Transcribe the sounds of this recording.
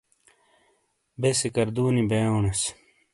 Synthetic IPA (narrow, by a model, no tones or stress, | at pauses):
besekɐɾd̪uːnibeːoːnɐs